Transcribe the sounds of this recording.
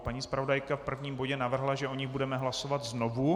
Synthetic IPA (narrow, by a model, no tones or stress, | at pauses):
paɲiːspɾavo̞dajkafpr̩vɲiːmbo̞ɟɛnavr̩ɦlaʒɛʔoɲɪɣbudɛmɛɦlaso̞vat̪znovu